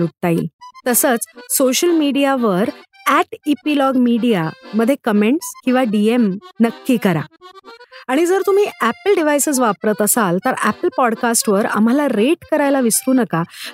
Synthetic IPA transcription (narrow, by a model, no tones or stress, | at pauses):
uʈ̚t̪aḭlt̪əsət͡ssoɕəlmiɽijaʋəɾæʈipilɔɡmiɽijaməd̪ʱːjekəmeɳʈskĩw̃ʋaɖiemnəkːiːkəɾa̰ | aɽ̃id͡zəɾt̪um̤iːæpəlɖiʋ̤ajsəd͡zʋapɾət̪əsalt̪əɾæpəlpɔɽkasʈʋəɾa̰m̤alaɾeʈkəɾajlaʋist̪uːnəka